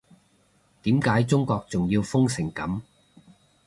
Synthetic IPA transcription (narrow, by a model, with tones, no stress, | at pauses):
t̪iː˨˥mkaː˨˥jt͡sʊ˥ŋkʷɔː˧k̚t͡sʊ˨ŋjiː˧wfʊ˥ŋsɪ˨˩ŋkɐ˨˥m